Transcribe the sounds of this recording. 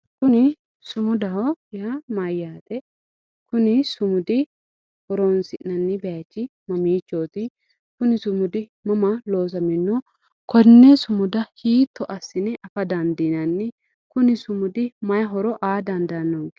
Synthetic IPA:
kʊnɪ | sʊmʊd̪ɐɦɔɪhɐmɐjːaːt̪ɛ | kʊnɪsʊmʊd̪ɪ | hɔɾonsɪʔnɐnːɪbɛɐt͡ʃːɪmɐmiːt͡ʃːoːt̪ɪ | kʊnɪsʊmʊd̪ɪmɐmɐloːs̬ɐmɪnːɔ | kɔnːɛsʊmʊd̪ɐhiːt̪ːɔʔɐsːɪnɛʔɐfɐd̪ɐnd̪inɐnːɪ | kʊnɪsʊmʊd̪ɪmɐjɐɦɔɾɔʔaːd̪ɐnd̪ɐnːoɡ

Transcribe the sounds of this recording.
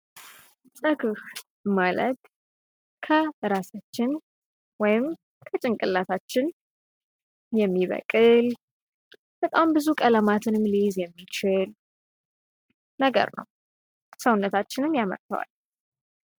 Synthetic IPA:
sʼɨɡɨf | mələ̰d̪ | kʰəɨɾasat͡ʃːɪn | wɔjɪm | kʰət͡ʃʼɪŋkʼɨlːat̪ʰat͡ʃːɪn | jɛmːiβə̰kʼɨl | b̥ət̪ʼambɨzukʼələmat̪ʰɨnɨmlizjɛmːit͡ʃɪl | nəɡə̰ɾnə̰w | səwʊnːət̪ʰat͡ʃːɪnɨmjamə̰ɾt̪ʰə̰wa̰l

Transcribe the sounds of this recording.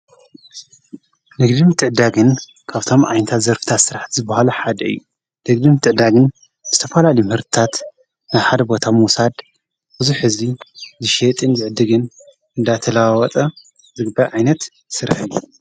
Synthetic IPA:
nɨɡd̪ɨmt̪ʰɨʕd̪aɡɨn | kʰaβt̪ʰo̞mʔa̰jnɐt̪ʰat̪zɐɾfɨ̥t̪ʰat̪sɨɾaħt̪zɨbːahaluħad̪ɐɨ̰jːu | nɨɡd̪ɨmt̪ʰɨʕd̪aɡɨn | zɨt̪ʰɐfɐlalijmɨhɨɾt̪ʰɨ̥t̪ʰat̪ | naβħad̪ɐbo̞t̪ʰamusad̪ | b̥ɨzuħɨzizɨʃet̪ʼɨnzɨʕɨd̪ɨɡɨn | ɨnd̪at̪ʰɐlawawɐt̪ʼɐ | zɨɡɨbaʕajnɐt̪ | sɨɾa̰ħɨjːu

